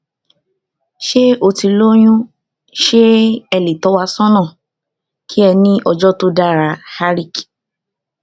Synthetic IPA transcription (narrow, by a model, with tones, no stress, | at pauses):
ʃe˦o˧ti˧lo˦j̃ũ˦ | ʃe˦ɛ˧li˨tɔ˨˦wa˧sɔ̃˦nɔ̃˦˨ | kʰi˦ɛ˧nĩ˦ʔɔ˧d͡ʒɔ˦to˦da˦˨ɾa˧ha˦ɾi˦˨k